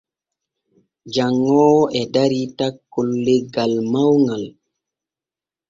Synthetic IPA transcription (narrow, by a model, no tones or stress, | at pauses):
d͡ʒaŋːɔwʔɛdaɾitakːolːeɡalmawŋal